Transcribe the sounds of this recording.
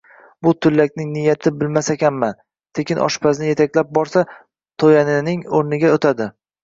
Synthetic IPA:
bʊt̪ʰʊlːakʲnɪŋnɪjat̪ʰɪbɪlmasakʲanman | t̪ʰe̞kʲɪnʔɒ̰ʃpʰaznɪje̞t̪ʰakʲlap̚bɒɾsa | t̪ʰojanɪnɪŋoɾnɪɡʲaot̪ʰad̪ɪ

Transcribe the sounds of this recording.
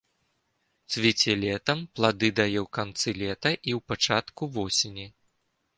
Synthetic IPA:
t̪svʲit͡sʲɛlʲɛt̪ɐmplˠad̪ɨd̪ajɛwkant̪sɨlʲɛt̪ɐʔiwpat͡ʂat̪kuvɔsʲenʲi

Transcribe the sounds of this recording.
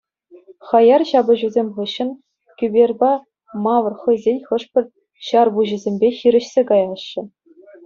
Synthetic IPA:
χɑjɑrɕɑbɤ̆ʑuzʲemʲχɯɕːɤ̆n | kʲybʲerʲbɑ | mɑʋɤ̆rχɤ̆jzʲenʲχɤ̆ʂpʲɘ̆rʲ | ɕɑrbuʑɘ̆zʲemʲbʲexʲiɾʲɘ̆ɕsʲekɑjɑɕːɘ̆

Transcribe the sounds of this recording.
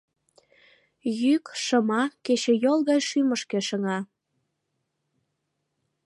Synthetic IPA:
jykʃəmɑket͡ɕĕjolˠɣɑjʃyməʃkeʃəŋɑ

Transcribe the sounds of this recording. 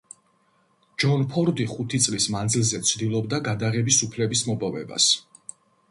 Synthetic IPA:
d͡ʒɔnpʰɔɾd̪iχut̪ʰit̪sʼlismand̪zilˠzɛt̪sʰd̪ilˠɔbd̪aɡad̪aʁɛbisupʰlɛbismɔbavɛ̰ba̰s

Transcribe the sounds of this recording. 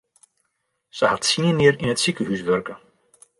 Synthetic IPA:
səhatsiənɪəɾɪnətsikəhysʋørkə

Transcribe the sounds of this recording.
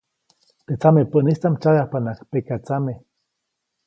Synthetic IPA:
t̪et͡samepəʔnist͡samt͡ʃajahpanakpekat͡same

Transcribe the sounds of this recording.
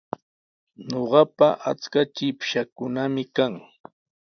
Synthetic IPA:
ɲoɢɑpaʔa̰t͡skat͡ʃɪpʃakʊnamɪkaŋ

